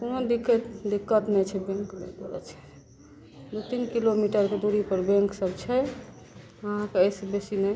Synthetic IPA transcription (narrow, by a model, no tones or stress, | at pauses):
konod̪ikːɛt̪d̪ikːət̪nɛt͡ʃʰɛbɛ̃ŋknekɾə̰t͡ʃʰɛ̥ | d̪ut̪inkilomiʈəɾked̪uɾipəɾbɛ̃ŋksəbt͡ʃʰɛ | əɦãkeəjsebesinɛ